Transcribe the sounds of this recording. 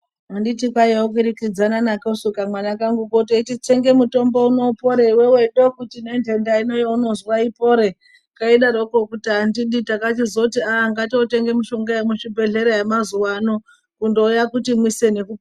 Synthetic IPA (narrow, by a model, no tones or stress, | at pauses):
anditikwajaok̬iɾikid͡zananakosukamwanakaŋɡukot̬etit͡ʃe̞ŋɡe̞muto̞mbo̞uno̞po̞ɾeweweɗo̞kutinende̞ndaino̞jauno̞zwaipo̞ɾe̞ | kaiɗaɾoko̞kutiandiɗitakatizotiaŋɡatiote̞ŋɡe̞miʃo̞ŋɡaemuʃibʱe̞ɮe̞ɾojemazuwano | kundo̞ujakutimwise̞ne̞kup